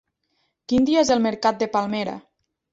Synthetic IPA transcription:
kind̪iaezelˠmeɾkat̪̚d̪epalˠmeɾa̰

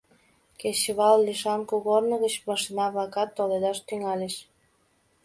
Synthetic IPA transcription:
keɕəβɑlːiʃɑnkuɣornə̆ɣət͡ɕmɑʃinɑβlɑkɑt̪ːoled̪ɑʃt̪yŋɑleʃ

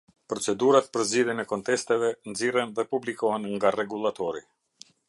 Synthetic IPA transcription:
pɾɔt͡sɛd̪uɾat̪̚pəɾziðjɛnɛkɔnt̪ɛst̪ɛvɛnzirɛnðɛpublikɔɦɛnŋɡarɛɡulˠat̪ɔɾi

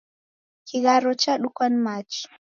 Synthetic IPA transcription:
kiɣaɾɔt͡ʃaɗukwanmat͡ʃ

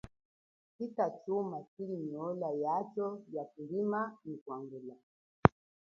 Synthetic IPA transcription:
kitat͡ʃumasiɾiɲiɔlajat͡ʃɔjakuɾimanikwaŋɡula

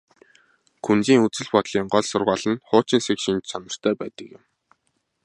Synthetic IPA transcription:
kʰunt͡siːŋut͡sɘ̆ɮpɔt̪ɮiːɴɢɔɮsʊrʁaːɮə̆nχʊːt͡ɕɪ̆nsekʃint͡ɕsanə̆r̥t̪ʰœːpæːt̪ə̆kjɪ̆m

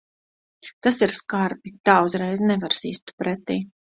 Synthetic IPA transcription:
t̪asiɾskaɾpit̪aːuzɾɛjznɛvaɾsiːst̪pɾɛt̪iː

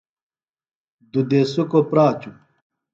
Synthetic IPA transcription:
d̪ud̪esukopɾaːt͡ɕu

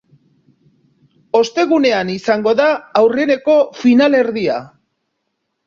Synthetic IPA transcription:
o̞st̪e̞ɣune̞anisaŋɡo̞ðaːwrene̞ko̞finale̞ɾðia

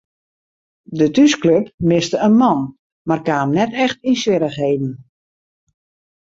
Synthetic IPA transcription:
dətyskløpmɪstəənmɔn | markaːmnɛtɛxtinsʋɪɾəxɦeːdn̩

